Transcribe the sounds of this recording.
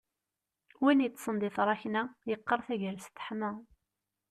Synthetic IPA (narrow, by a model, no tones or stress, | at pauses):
winjət͡s̪ˤːsˤənd̪ɪθɾˤɑçnæjəqːəɾˤθæʝəɾst̪ə̥ħmæ